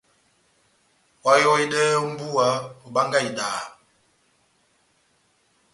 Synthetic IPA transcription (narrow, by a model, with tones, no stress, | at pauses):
wa˦jɔ˦i˦dɛ˦u˦m̩˦bu˦a˨˦o˨ba˦ŋɡa˦i˨daː˨